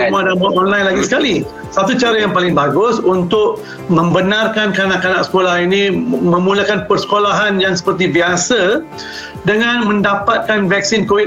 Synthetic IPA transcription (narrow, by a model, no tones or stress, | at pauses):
madamaɔnlãjlaɡisə̥kali | sat̪ut͡ʃaɾəjaŋpalɪŋbaɡʊsunt̪ʊk̚ | mə̃mbənãrkankanaʔkanaksə̥kolahinĩmə̃muləkanpərsə̥kolaɦanjaŋsə̥pərt̪ibiasə | dəŋãnmə̃ndapat̪̚kanvɛk̚sinkowi